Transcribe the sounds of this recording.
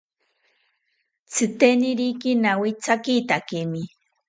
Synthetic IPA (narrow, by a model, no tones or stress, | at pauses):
t͡sɨt̪enɪɾikinawit͡sakit̪akemi